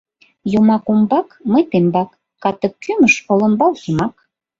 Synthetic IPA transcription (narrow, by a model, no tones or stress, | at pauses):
jumɑkumbɑkməjt̪embɑkː | ɑt̪əkːyməʃkolə̆mbɑlsumɑk